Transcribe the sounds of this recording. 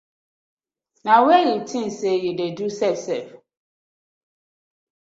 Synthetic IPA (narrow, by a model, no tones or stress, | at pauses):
nawɛjitʰĩn̩sejudedusɛfsɛf